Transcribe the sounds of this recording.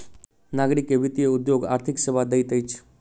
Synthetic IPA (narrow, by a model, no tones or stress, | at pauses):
naɡɾikːeʋit̪ijəud̪joɡa̰ːɾt̪ʰikseʋad̪əjt̪əjt͡ʃʰ